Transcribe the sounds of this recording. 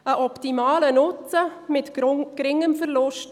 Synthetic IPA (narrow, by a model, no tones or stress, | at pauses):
əʔɔptimɑːlənʊt͡səmɪtkɾɪŋːəmfəɾlʊʃt